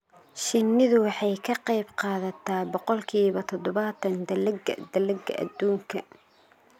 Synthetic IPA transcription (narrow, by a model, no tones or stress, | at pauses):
ʃɪnːɪðʊwɑħɑjkʰɐqɑjbqɑːðɐt̪ʰaːbɔqɔlkʰiːβɐt̪ʰɔd̪ɔβɐt̪ʰɐnd̪ɐlɐɡɐd̪ɐlɐɡɐʔɐ̰d̪uːŋkʰɐ